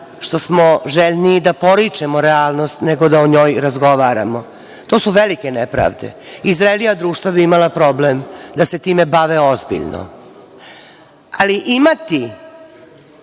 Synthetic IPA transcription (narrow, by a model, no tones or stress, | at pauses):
ʃt̪o̞smo̞ʒeʎniːd̪apo̞ɾit͡ʂemoɾeaːlˠno̞st̪neɡo̞d̪aoɲo̞ːjɾazɡo̞ʋaːɾa̰mo̞ | t̪o̞ːsuʋelike̞nepɾa̰ːʋd̪ḛizɾaelijad̪ɾuːʃt̪ʋabiimalˠapɾo̞blemd̪ase̞t̪iːme̞baʋeozbḭʎno̰ | aliʔimat̪i